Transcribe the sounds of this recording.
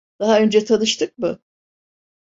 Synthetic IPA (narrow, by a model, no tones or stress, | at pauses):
d̪̥aɦaø̞nd͡ʒɛt̪ʰanɯʃt̪ʰɯk̚mʊ